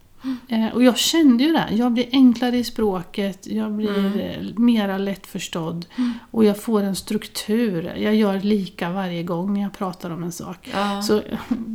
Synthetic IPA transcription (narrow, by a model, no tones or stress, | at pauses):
ʔɔjɑːɡɕɛnd̪əjɵd̪ɛ̰jɑːɡ̚blɪɾʔɛŋklaɾəɪspɾoːkət̪jɑːɡblɪɾmeːɾalɛt̪ːfœʂʈɔd̪ːʔɔjɑːɡfoːɾɛnst̪ɾɵkt̪ʰʉ̟ːɾjɑːɡjœːɾliːkavaɾjəɡɔŋːnæɾjɑɡpʰɾɑːt̪aɾɔmɛnsɑ̰ːksɔ